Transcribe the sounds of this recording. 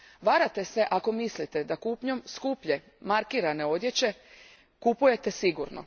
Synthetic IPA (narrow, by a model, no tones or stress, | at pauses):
ʋaɾat̪e̞se̞ʔako̞mislit̪e̞d̪akupɲo̞mskupʎe̞ | maɾkiːɾane̞o̞d̪je̞t͡ɕe̞ | kupuje̞t̪esiɡuɾno̰